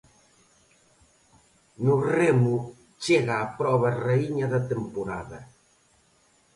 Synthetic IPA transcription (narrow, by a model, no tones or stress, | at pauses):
nʊremʊ | t͡ʃeɣaːpɾɔβɐreiɲɐðɐt̪empoɾa̰ðɐ